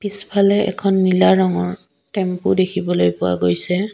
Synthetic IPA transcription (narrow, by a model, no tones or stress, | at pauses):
pispʰalɛɛ̰kʰɔnːilaɹɔŋɔɹ | tɛmpudekʰibɔlojpʊwa̰ɡojsɛ